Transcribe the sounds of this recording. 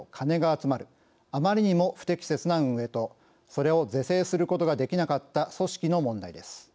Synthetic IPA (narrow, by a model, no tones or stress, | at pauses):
kʰane̞ɡaːt͡sɨmaɾɯ̟ | amaɾʲiɲ̟imo̞ɸɯ̟̥t̪e̞kʲi̥se̞t͡sɨnaɯ̃ɰe̞t̪o̞ | so̞ɾe̞o̞ze̞se̞ːsɨɾɯ̟ko̞t̪o̞ɡad̪e̞kʲinakat̪ːaso̞ɕi̥kʲino̞mõ̞nd̪a̰id̪e̞sɨ̥